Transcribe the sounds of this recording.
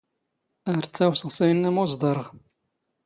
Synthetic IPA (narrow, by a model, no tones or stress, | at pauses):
əɾt͡sːæwsəʁsæjnːæmozˤd̪ˤɑɾˤəʁ